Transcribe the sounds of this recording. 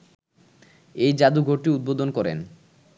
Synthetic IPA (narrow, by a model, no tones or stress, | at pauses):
ejd͡ʑad̪uɡʱoɾʈiud̪̚bod̪onkɔɾḛn